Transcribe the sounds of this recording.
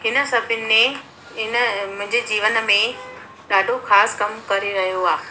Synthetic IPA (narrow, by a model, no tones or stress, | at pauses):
ɦɪnə̆sɐbʱɪnɪ̆mẽ | ɪnəmʊ̃ɦɪ̃ɲd͡ʑed͡ʑiːʋənmẽ | ɗaːɖʱoxaːskɐmkɐɾeɾɐɦijoaː